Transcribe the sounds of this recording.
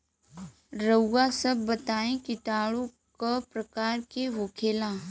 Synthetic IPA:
ɾəːasɐbːət̪aːẽkit̪aːɭo | kapɾəkaːɾkeʋoːkʰeːlaː

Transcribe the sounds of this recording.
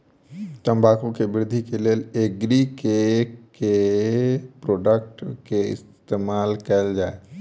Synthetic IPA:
t̪ə̃mbʱaːkõkebɪɾd̪ʱikeleːleːɡɾikeke | pɾoːɖəkʈkeɪ̰s | t̪eːmaːlkɛld͡ʒaːe

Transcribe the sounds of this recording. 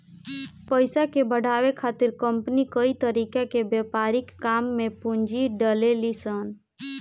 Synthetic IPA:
pəjsakebəɽ̤ʱaʋekʰat̪iɾkəmpnikəit̪əɾikakebjepaɾikːamːepund͡ʒiɖəlelisən

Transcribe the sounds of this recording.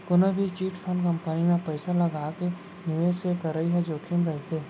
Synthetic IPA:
kʊnəbʱit͡ʃiːʈpʰɐnkɐ̃mpənimẽpəɪsalɐɡaːke | nɪʋeːssekɐɾəiɦɛd͡ʒoːkʰɪmɾɐɦet̪ʰeː

